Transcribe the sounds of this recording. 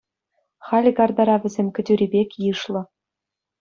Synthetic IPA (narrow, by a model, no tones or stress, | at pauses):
χɑlʲɘ̆ɡɑrd̪ɑɾɑvʲɘ̆zʲemʲkʲɘ̆dʲyɾʲibʲekʲjɯʃlˠɤ̆